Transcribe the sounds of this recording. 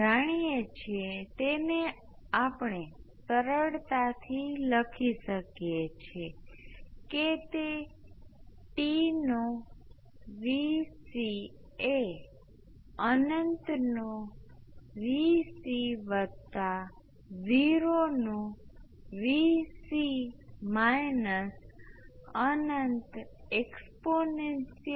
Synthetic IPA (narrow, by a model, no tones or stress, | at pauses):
aɽ̃ijet͡ʃʰet̪ene | apɳ̃esəɾəɽt̪at̪ʰiləkʰiʃəkjet͡ʃʰe | ket̪e | ʈino | ʋisi | e | ənənt̪no | ʋisiʋət̪ːa | ʋiɾonũ | ʋisimajnəs | ənənt̪ɛksponensi